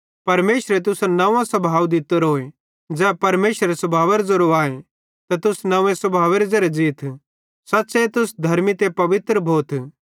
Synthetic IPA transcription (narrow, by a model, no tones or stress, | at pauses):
pɐɾmeːʃɾet̪̬ʊsanɐʋãsɐbʱaːwd̪ɪt̪ːəɾɦoːe | d͡ʒɛːpɐɾmeːʃɾesɐbʱaːʋeɾzɐɾuaːe | t̪at̪ʊsnɐʋẽsɐbʱaːʋeɾezɐɾed͡ʒiːt̪ʰ | sɐtːset̪ʊsd̪ʱɐɾmit̪epɐʋɪt̪ɾəbʱoːt̪ʰ